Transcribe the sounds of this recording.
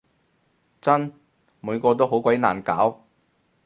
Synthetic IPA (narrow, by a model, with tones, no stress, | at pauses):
t͡sɐ˥n | muː˨˧jkɔː˧t̪̬o˥wɦo˨˥wkʷɐ˨˥jna̰ː˨˩nkaː˨˥w